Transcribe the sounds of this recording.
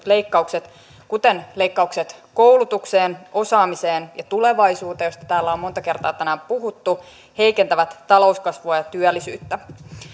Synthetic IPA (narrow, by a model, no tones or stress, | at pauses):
le̞ikːɑukset̪ | kut̪enle̞ikːɑukset̪ko̞wlut̪ukseːno̞sɑːmise̞ːnjɑt̪ule̞ʋɑjsuːt̪ɑjo̞st̪ɑ̥t̪æːlːæomːo̞nt̪ɑke̞rt̪ɑ̰ːt̪ænæːmpuɦut̪ːu | he̞jkent̪æʋæt̪ːɑlo̞uskɑsʋoɑjɑt̪yælːisy̰ːt̪ːæ